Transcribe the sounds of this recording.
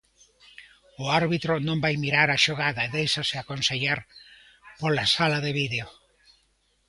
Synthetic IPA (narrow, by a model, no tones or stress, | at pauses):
ʊaɾβit̪ɾʊnõmbajmiɾaɾaʃoɣaðɐeðejʃasɪakonseʎaɾ | polasalaðeβiðeo